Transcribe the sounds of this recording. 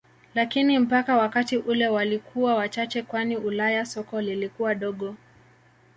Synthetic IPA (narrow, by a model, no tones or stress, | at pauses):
lakinim̩pakawakatiʔulɛwalikʰuwawat͡ʃat͡ʃɛkwaniulajasɔkɔlilikuwaɗɔɠɔ